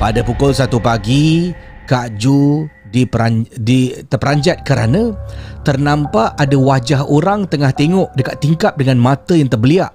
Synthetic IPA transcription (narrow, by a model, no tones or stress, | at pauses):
padapukʊlsat̪upaɡikaʔd͡ʒu | dipɾadit̪əpəɾaɲd͡ʒat̪̚kəɾa̰nãt̪ərnãmpaʔːdawad͡ʒaɦoɾaŋt̪əŋaht̪eŋɔʔdəkat̪ːiŋkap̚dəŋãnmãt̪əjaŋt̪ərbəliaʔ